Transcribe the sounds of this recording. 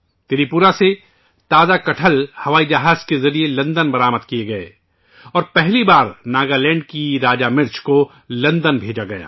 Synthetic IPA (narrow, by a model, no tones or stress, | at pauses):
t̪ɪɾipuɾase | t̪aːzakɐʈʰəlhɐʋaːid͡ʒɐɦaːz̥kezɐɾielɐ̃nd̪ənbɐɾaːməd̪̚kijeɡɐḛː | ɔːɾpɛɦlibaːɾnaːɡalɛ̃ːɳɖkiɾaːd͡ʒamɪɾt͡ʃʰko | lɐ̃nd̪ənbʱeːd͡ʒaɡɐja̰ː